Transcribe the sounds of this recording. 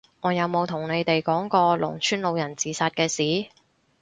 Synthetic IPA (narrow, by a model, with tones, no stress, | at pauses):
ŋɔː˨˧jɐ˨˧wmo˨˧wt̪ʰʊ˨˩ŋne˨˧jt̪e˨jkɔː˨˥ŋkɔː˧lʊ̰˨˩ŋt͡ʃʰyː˥nlo˨˧wjɐ˨˩nt͡siː˨˩saː˨˧t̚kɛː˧siː˨˥